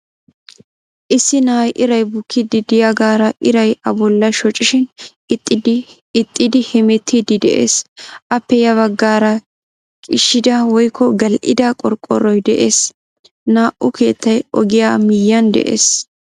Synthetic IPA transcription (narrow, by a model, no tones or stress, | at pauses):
ʔɪsːɪnajʔɪɾɐjbʊkʰːɪd̪ɪd̪ɪjaɡaːɾɐʔɪɾɐjɐbɔlːɐʃɔt͡ʃʼːɪʃɪn | ɪt̪ʼːɪd̪ | ɪt̪ʼːɪd̪ɪhɛmɛt̪ːid̪ɪd̪ɛ̰ʔḛːsʔɐpːɛjɐβɐɡːaːɾɐ | kʼɪʃːɪd̪ɐwɔjkʰːɔɡɐlʔɪd̪ɐkʼɔɾkʼːɔ̰ɾɔjd̪ɛʔeːs | naːʔʊke̞ːt̪ːɐjɔɡɪjaːmɪjːɐnd̪ɛ̰ʔḛːs